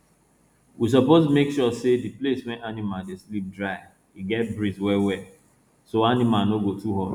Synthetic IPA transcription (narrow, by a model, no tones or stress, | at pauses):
wis̬ɔpozmekʃɔsedipleswɛ̃nanimadeslip̚dɹaɪ | iɡɛt̚bɹizwɛwɛ | soanimanoɡotuɦɔd